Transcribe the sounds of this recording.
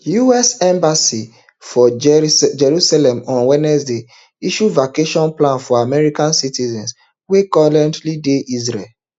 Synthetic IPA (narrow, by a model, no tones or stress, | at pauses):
juɛsɛ̃mbasi | fɔd͡ʒɛɹusalɛ̃mɔ̃nwɛnɛsde | iʃuvakeʃɔ̃nplãnfɔamɛɹikãnsitizɛ̃ns | wekɔvlɛ̃ntlideʔizɹɛl